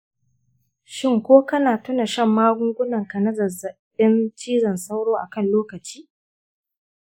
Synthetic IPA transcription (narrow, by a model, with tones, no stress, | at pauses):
ʃɪ˦ŋkʷoː˦kɐ˦naː˨tʊ˦na˨ʃɐ˦˨mːaː˦ɡʷʊ˦ŋɡʷʊ˦nɐ˨ŋkɐ˨nɐ˦zɐ˨zɐ˨ | ɪ˦nt͡ʃiː˦zɐ˨nsa˦wɽoː˦ʔa˨kɐ˦˨nloː˦kɐ˨t͡ʃi̥ː˦